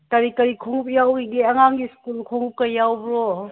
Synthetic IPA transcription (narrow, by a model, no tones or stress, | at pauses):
taɾikɐɾikʰoŋup̚jawiɡiɐŋaŋɡiskulkʰoŋup̚kɐjawbɾo